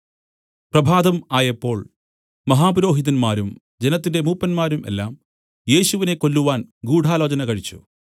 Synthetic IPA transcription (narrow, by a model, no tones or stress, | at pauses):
prɐbʱaːd̪ɐmaːjɐpːo̞ːɭ | mɐɦaːpɐɾo̞ːɦid̪ɐnmaːɾum | d͡ʑenɐt̪ːinde̞muːpːɐnmaːɾumʔe̞̰lːaːm | je̞ːɕuʋine̞kːo̞lːuʋaːnɡuːɽʱaːlo̞ːd͡ʑɐnɐkɐɻit͡ɕːṵ